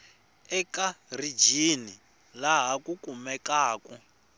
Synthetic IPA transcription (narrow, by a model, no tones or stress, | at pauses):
ɛkarid͡ʒini | laɦakukumɛkaːkɔ